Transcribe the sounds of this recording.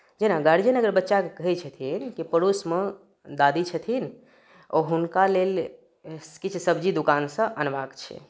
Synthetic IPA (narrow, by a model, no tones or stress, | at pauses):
d͡ʒenaɡaɽid͡ʒenəɡəɾbətːʃakekəɦɛt͡ʃʰət̪ʰinkipəɽusmẽ | d̪ad̪it͡ʃʰət̪ʰin | o̰ɦunkalel | skit͡ʃʰsəbd͡ʒid̪ukansə̃ʔənbakt͡ʃʰɛ̰